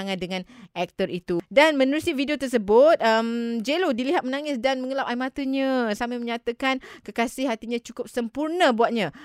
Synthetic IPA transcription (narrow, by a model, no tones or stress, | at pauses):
aŋãn̚dəŋãnʔɛk̚t̪ərit̪udanmənəɾusividiot̪ərsəbʊt̪̚əmd͡ʒelodiliɦat̪̚mənaŋɪsdanməŋəlawʔaimat̪əɲãsamaməɲat̪akankəkasɪhɦat̪iɲãt͡ʃukʊp̚səmpurnəbuat̪̚ɲã